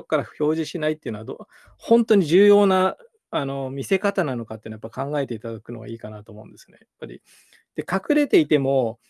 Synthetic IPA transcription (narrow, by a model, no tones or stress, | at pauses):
okːaɾḁço̞ːʑiɕinait̪ːeiɯ̟noad̪o | hõ̞nt̪o̞ɲ̟iʑɨːjo̞ːna | ano̞mʲise̞kat̪anano̞kat̪eɯnojapːaikãŋɡae̞t̪e̞it̪ad̪akɯ̟no̞̰ɡa̰iːkanat̪o̞ːmo̞ɯ̰̃nd̪e̞sɨ̥ne̞japːaɾʲḭ | d̪̥e̞kakɯ̟ɾe̞t̪e̞it̪e̞mo̞